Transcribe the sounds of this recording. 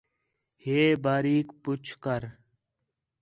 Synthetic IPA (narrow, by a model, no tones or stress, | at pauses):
heːbaːɾiːkput͡ɕʰkɐɾ